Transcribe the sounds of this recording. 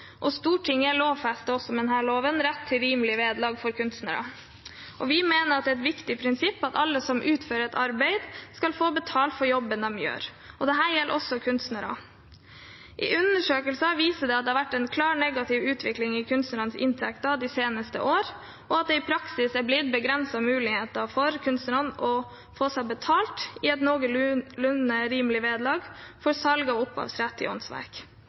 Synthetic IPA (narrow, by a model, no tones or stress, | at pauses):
ʔɔst̪uːʈʈʰɪŋːəæɭoːʋfæst̪əɔsːɔmd̪ɛnɦæːɭoːʋənɾæt̪ʰːɪɾiːməlɪʋeːd̪lɑːɡfɔɾkʰʉnst̪nəɾɑ̰ | ʔɔʋɪmeːnəɾɑt̪̚d̪ɛːɛt̪ʋɪkt̪ɪpʰɾɪnsɪpːɑt̪ɑlːəsɔmʔʉːt̪føːɾəɾɛt̪ʰɑɾbɛɪd̪skɑlfoːbət̪ʰɑːlt̪fɔɾjɔbːənɑmjø̰ːɾ | ɔd̪ɛɦæːɾjɛlʔɔsːɔkʰʉnst̪nəɾɑ̰ | ʔɪ̰ʔʉnːəʂøːkəlsɑʋiːsəɖ̪ɛɑt̪d̪ɛːhɑɾʋæʈːɛnkʰlɑːɾnɛɡɑt̪ʰɪʋʉːt̪ʰʋɪklɪŋɪkʰʉnst̪nəɾɑnsɪ̰nt̪ʰɛkt̪ɑd̪ɪseːnəst̪ə̰ʔoːɾ | ɔɑt̪̚d̪ɛɪpʰɾɑksɪsæblɪd̪̚bəɡɾɛnsɑmʉːlɪheːt̪əfɔɾkʰʉnst̪əɾɑnɔ | foːsæɪbət̪ʰɑːlt̪ɪɛt̪noːɡəlʉnəɾiːmlɪʋeːd̪lɑːɡfɔɾsɑlɡɑʊpːɑ̰ːʋsɾɛt̪ːɪ̰ɔ̰nsʋæ̰ɾk